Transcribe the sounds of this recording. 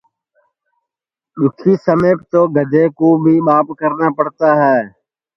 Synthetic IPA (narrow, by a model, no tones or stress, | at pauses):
ɗʊkʰiːsəmeːpt̪oːɡʱəd̪eːkoːbʱiːɓaːpkəɾnaːpəɽ̤t̪aːɦɛː